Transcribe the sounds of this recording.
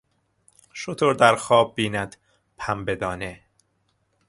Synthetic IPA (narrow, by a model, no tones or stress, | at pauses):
ʃot̪ʰoɾd̪æɾxɒːbːiːnæd̪̥ | pʰæmbed̪ɒːne